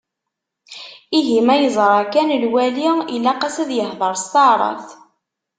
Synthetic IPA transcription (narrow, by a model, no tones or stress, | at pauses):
iɦimæjəzˤɾˤɑkænlwæliilːæqæsæðjəhðˤəɾˤst̪ɑɾˤɑ̰θ